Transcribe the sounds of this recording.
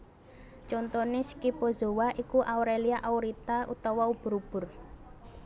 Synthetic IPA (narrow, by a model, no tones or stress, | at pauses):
t͡ʃɔnt̪onɪskipozowaʔikuʔauɾeliaʔawɾit̪aṵt̪ɔwaub̥ʊ̤ɾub̥ʊ̤r